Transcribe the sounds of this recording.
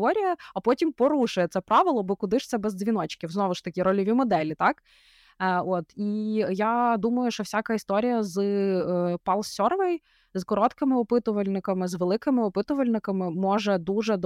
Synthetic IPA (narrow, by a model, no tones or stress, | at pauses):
ɔɾʲijɐɐpɔtʲimpɔɾuʃʊjɛt̪sɛpɾɑʋɪlˠɔbɔkʊd̪ɪʃt̪sɛbɛzd̪zʲʋʲin̪ɔt͡ʃkʲiwznɔʋʊʃt̪ɐkʲiɾɔlʲɔʋʲimɔd̪ɛlʲit̪ɑk | ɔt̪ijad̪umɐjʊʃt͡ʃɔwsʲakɐist̪ɔɾʲijɐz | pɑlˠsʲɔrʋɛj | zkɔɾɔt̪kɪmɪɔpɪt̪ʊʋɐlʲnɪkɐmɪzʋelˠɪkɪmɪɔpɪt̪ʊʋɐlʲnɪkɐmɪmɔʒɛd̪uʒɛd̪